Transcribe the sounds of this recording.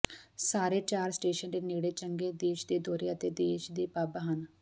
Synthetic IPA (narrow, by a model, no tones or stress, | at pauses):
saːɾeːt͡ʃaːɾsʈeːʃənd̪eːnɪɡɽeːt͡ʃəŋɡeːd̪eːʃd̪eːd̪oːɾeːət̪eːd̪eːʃd̪eːpaːbaɦən